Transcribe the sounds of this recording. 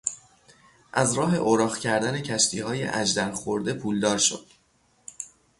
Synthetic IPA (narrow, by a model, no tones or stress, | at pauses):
ʔæzɾɒːɦe̞ʔoːɾɒːχcʰæɾd̪æne̞cʰæʃt̪ʰiːhɒːje̞̰ʔæd͡ʒd̪æɾxoɾd̪e̞pʰuːld̪ɒːɾʃo̰d̪̥